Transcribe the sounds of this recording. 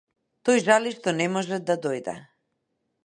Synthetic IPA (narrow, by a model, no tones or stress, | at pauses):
t̪ɔjʒaliʃt̪ɔnɛmɔʒɛd̪ad̪ɔjd̪ɛ̰